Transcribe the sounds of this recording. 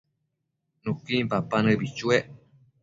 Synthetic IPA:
nũkimpapanɨ̃bit͡ʃueʔ

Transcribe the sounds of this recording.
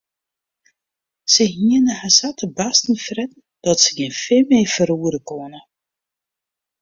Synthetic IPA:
səɦiənəhasatʰəbastn̩frɛtn̩ | d̥ɔtsəɡɪnfɪmeːfəɾuːəɾəkoənə

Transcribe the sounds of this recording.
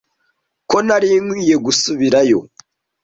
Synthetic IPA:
ko̞naɾiːŋwiːje̞ɡusuβiɾajo̞̰

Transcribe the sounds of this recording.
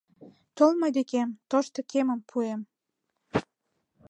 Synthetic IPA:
t̪olmojd̪ekemt̪oʃt̪okeməmpʰuem

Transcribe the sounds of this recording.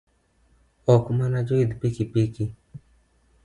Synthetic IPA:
ɔkumanad͡ʒoid̪pikipiki

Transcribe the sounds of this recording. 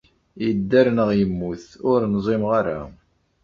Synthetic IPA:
jəd̪ːæɾnəʁjəmːuθʊɾnzˤɪmʁaɾa̰

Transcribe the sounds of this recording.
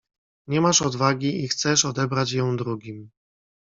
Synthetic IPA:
ɲɛmaʂɔd̪vaɡʲiixt̪sɛʂɔd̪ɛbɾat͡ɕjɔ̃w̃d̪ɾuɡʲim

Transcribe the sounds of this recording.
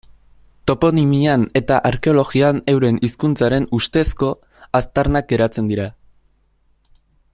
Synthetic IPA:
t̪o̞po̞nimiane̞t̪aʔaɾke̞o̞lo̞ɣiane̞wɾe̞niskunt͡saɾe̞nust̪e̞sko̞ | ast̪aɾnak̚ɡe̞ɾat͡se̞nd̪iɾa

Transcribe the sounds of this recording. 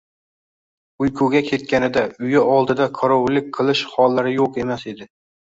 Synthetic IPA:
ʊjkʰuɡʲakʲʰe̞t̪̚kʲanɪd̪aʊjɪɒlˠd̪ɪd̪aqʰɒɾɒwlɪk̚ʲqʰɨlˠɪʃhɒlˠːaɾɪjoqe̞mase̞d̪ɪ

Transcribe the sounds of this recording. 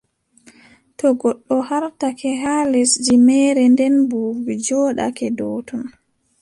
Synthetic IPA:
tɔɡɔɗːɔhaɾtakʰɛɦalɛsd͡ʒimɛɾɛndɛnbuɡid͡ʒɔɗa̰kɛdɔːtɔn

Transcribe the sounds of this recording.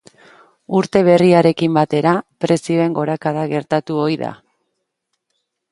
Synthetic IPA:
uɾt̪e̞β̞e̞riaɾe̞kimbat̪e̞ɾapɾe̞sio̞e̞ŋɡo̞ɾakaðaɣe̞ɾt̪at̪uo̞jða̰

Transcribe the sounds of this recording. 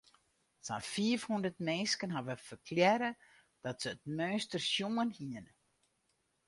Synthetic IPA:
sa̰nfiəfhundərtmɛːskənɦavəfərkʰljɛɾə | d̥ɔtsəːtmœːstərsjumənhiən

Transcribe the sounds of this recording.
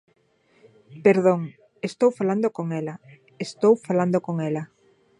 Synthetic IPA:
peɾðoŋ | est̪owfaland̪okoŋɛla | est̪owfaland̪okoŋɛla

